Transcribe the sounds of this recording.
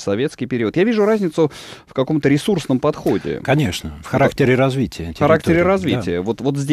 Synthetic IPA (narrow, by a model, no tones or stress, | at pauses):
sɐvʲe̞t̪skʲijpʲɪɾʲiət̪javʲiʐʊɾazʲnʲɪt̪sʊfkɐko̞mt̪əɾʲɪsursnəmpɐt̪xo̞dʲɪ̰kɐnʲeʂnəfxɐɾaktʲɪɾʲɪɾɐzvʲitʲɪjətʲxɐɾak̚tʲɪɾʲɪɾɐzvʲittʲɪjəvot̪vo̞t̪zʲdʲ